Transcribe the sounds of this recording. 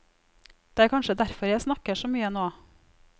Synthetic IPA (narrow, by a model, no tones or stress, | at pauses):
d̪̥ɛːæːɾkʰɑnʃəd̪æɾfɔɾjæɪsnɑkəʂoːmyːənoː